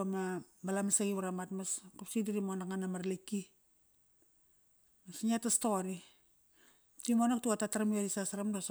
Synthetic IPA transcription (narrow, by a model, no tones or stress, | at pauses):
amabalamasaɡiβaɾamatmaskapsidiɾimonakŋanamaɾliki | masɲiatastoɾi | timonak̚tuatataɾamieɾisasaɾamdos